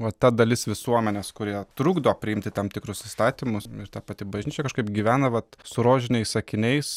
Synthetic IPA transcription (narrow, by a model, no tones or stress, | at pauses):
ʋɐttːɐd̪ɐlʲɪsʋʲɪsuɔmʲɛnʲeːskʊɾʲiɛt̪ɾuːɡd̪oːpʲɾʲɪɪmʲt̪ʲɪt̪ɐmt̪ʲɪkɾʊsiːst̪ɑːt̪ʲimʊsɪɾt̪ɑpɑt̪ʲɪbɐʒʲnʲiːt͡ʃʲɛkɐʃkɐɪpɡʲiʋʲæːnɐʋɐt̪sʊɾoːʒʲɪnʲɛɪsɐkʲɪnʲɛɪs